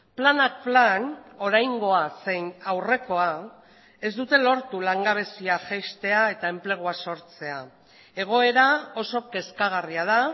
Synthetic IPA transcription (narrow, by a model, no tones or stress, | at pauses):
planak̚plano̞ɾajŋɡo̞ase̞jnawre̞ko̞a | e̞zd̪ut̪e̞lo̞ɾt̪ulaŋɡaβ̞e̞siaʝest̪e̞ae̞t̪ae̞mple̞ɣ̞uaso̞ɾt͡se̞a | e̞ɣ̞o̞e̞ɾao̞so̞ke̞skaɣ̞ariað̞a